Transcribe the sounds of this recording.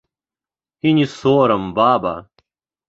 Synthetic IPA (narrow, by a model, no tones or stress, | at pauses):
hinisoːɾɐmbaːba̰